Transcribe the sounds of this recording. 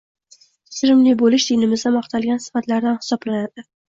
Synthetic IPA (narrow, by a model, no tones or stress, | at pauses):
sɪɾɪmlɪbolɪʃd̪inɪmɪzd̪amɒqt̪ʰalˠɡʲansɪ̥fat̪laɾd̪anhɪ̥sɒblanad̪ɪ